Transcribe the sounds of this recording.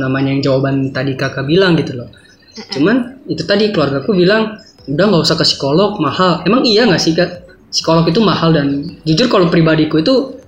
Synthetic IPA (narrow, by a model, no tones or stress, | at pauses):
namaɲajaŋd͡ʒawabant̪adikakabilaŋɡit̪ulɔh | t͡ʃumanit̪ut̪adikəluarɡakubilaŋ | udahŋɡausakasi̥kolɔk̚mahalemaŋijaŋasɪka | si̥kolɔk̬it̪̬umahaldand͡ʒud͡ʒʊrkalopɾibadikuit̪u